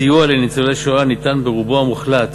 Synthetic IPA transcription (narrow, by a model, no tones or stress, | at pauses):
iualenit͡soleʃoanit̪anbeʁuboamuχlat̪